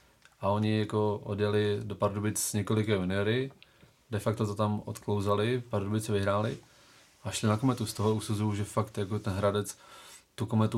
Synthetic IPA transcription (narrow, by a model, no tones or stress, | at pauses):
ʔao̞ɲɪjako̞ʔodjɛlɪdopaɾdubɪt͡sz̥ɲɛko̞lɪkɛːunɪɛɾɪ | dɛfak̚t̪ot̪ot̪amo̰t̪klowzalɪpaɾdubɪt͡sɛvɪɦɾaːlɪ | ʔaʃlɪnako̞mɛt̪ust̪oɦousuzujuʒɛfakt̪jakot̪ɛnɦɾadɛt͡st̪ukomɛt̪u